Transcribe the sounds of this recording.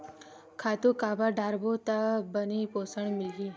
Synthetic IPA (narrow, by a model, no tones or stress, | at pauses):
kʰaːt̪ukaːbaɖʱaːɾbot̪abənipoːsəɳmɪlɡi